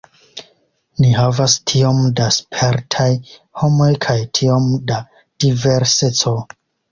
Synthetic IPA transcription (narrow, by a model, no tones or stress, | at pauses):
nihavastʰio̞mdaspʰeɾtʰajho̞mo̞jkʰajtʰio̞mda | d̥ive̞ɾset͡so̞